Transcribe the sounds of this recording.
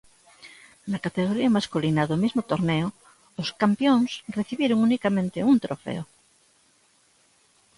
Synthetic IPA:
nakat̪eɣ̞oɾiamaskulinaðomizmot̪oɾneo | oskampjõŋsreθiβjeɾoŋunikamẽnt̪eunt̪ɾofḛo

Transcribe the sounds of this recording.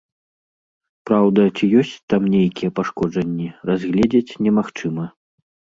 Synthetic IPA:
pɾawd̪ɐt͡sʲijɔsʲt͡sʲt̪amnʲejkʲijɛpaʂkɔd͡ʐɐnʲːirazʲɣlʲɛd͡zʲet͡sʲnʲɛmaxt͡ʂɨmɐ

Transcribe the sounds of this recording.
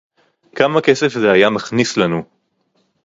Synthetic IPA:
kamake̞se̞fzeajamaχnislanu

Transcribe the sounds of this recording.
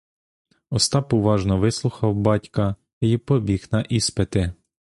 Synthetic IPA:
ɔst̪ɑpʊʋɑʒnɔʋɪslˠʊxɐwbɑtʲkɐ | ipɔbʲixnɐʔispet̪ɪ

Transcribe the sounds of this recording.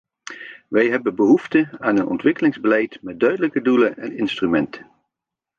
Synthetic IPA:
ʋɛjɦɛbənbəɦuftəaːnənʔɔ̰ntʋɪkəlɪŋzbəlɛjtmɛt̚dœɥdələkədulənɛnɪnstrymɛntə̥

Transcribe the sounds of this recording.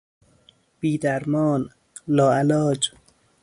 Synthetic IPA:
b̥iːd̪æɾmɒːn | lɒːælɒːd͡ʒ

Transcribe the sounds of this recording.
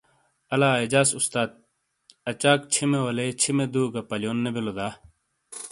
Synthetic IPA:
ɐlaːed͡ʑaːsust̪aːt̪̚ | ɐt͡ɕaːkt͡ɕʰimewɐlet͡ɕʰimed̪uːɡɐpɐljoːnːebilod̪aː

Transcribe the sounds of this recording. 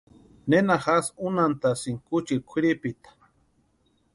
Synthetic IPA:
nenaxasunant̪asiŋkut͡ʃikʷʰiɾipit̪ḁ

